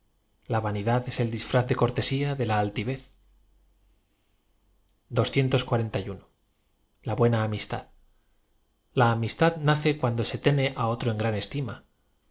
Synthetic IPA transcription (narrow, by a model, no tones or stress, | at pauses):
laβaniðaðe̞se̞ld̪isfɾaθðe̞ko̞ɾt̪e̞siaðe̞laːlt̪iβ̞e̞θ | d̪o̞sθje̞nt̪o̞skwaɾe̞nt̪ajuno | laβwe̞naːmist̪a̰ð | laːmist̪aðnaθe̞kwand̪ose̞t̪e̞ne̞ʔao̞t̪ɾo̞e̞ŋɡɾane̞st̪ima